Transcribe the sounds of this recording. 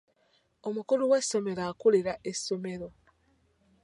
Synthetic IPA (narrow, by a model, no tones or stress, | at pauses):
o̞mukuluwe̞sːo̞me̞ɾaːkuliɾaʔeso̞me̞ɾo̞